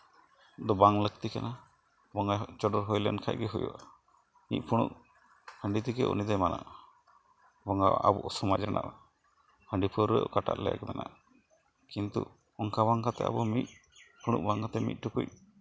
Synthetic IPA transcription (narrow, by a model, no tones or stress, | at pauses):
d̪ɔbaŋlək̚t̪ikana | bɔŋat͡ʃɔɖɔɾɦɔjlɛ̰nkʰaʔ̚ɡɛɦujṵʔa | nic̪̚pʰuɽ̃ṵk̚ | həɳɖit̪ikɛʔṵnid̪ɛmana̰ʔ | bɔŋɡa̰ʔa̰bɔʔɔsɔmad͡ʒɾɛnʔa̰ʔ | həɳɖipʰɔɾɾə̰ʔkaʈa̰ʔlɛja̰ɡɛmɛna̰ʔ | kint̪ṵ | ɔŋkaβaŋkat̪ɛ̰a̰bɔmic̪̚pʰuɽ̃uk̚baŋkat̪ɛmḭt̪̚ˀʈukuc̚